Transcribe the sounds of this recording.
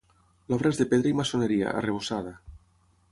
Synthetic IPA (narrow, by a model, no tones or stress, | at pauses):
lɔβ̞ɾaezðepeðɾaimasoneɾia̰ʔa̰reβ̞osað̞a